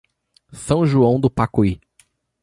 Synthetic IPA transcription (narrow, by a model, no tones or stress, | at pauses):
sɐ̃w̃ʒuɐ̃w̃d̪ʊpakui